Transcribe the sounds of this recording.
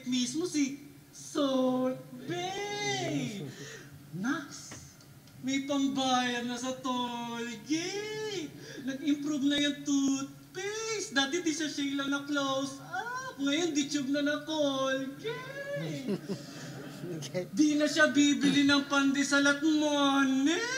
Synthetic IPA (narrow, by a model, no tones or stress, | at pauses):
mismosɪ | sot̪̚bɛ | naks | mɐjpɐŋbaːjɐd̪̚nɐsɐt̪olɡɪ | nɐɡɪmpɾuvnɐjɐŋt̪ut̪̚pɛsd̪aːt̪ɪd̪isɐʃɐɪlɐnɐklows | akŋɐjond̪ɪt͡ʃʊb̚nɐnɐkolɡɪ | d̪inɐʃabiːbɪlɪnɐŋpɐnd̪ɛsɐlɐt̪̚manɛ